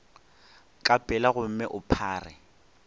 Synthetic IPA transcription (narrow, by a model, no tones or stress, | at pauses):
kʼapʼɛlaɣʊm̩mɛʔʊpʰaːrɪ